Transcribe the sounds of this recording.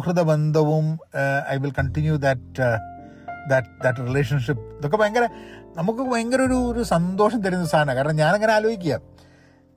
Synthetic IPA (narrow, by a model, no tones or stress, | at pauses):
krɨðɐbend̪ʱɐʋumɐ̰jʋilkɐɳʈinjud̪ɐʈ̚ | d̪ɐʈd̪ɐʈ̬rileːʂɐnʂip̚nd̪okːepoːjɐŋɡɐɾɐnɐmuk̬ːɨpojɐŋɡɐɾoɾuoɾusɐnd̪oːʂɐmt̪ɐɾiunːɐst̪ʰaːnɐkaːɾɐɳɐmɲaːneŋːɐneaːloːjikʲːuja̰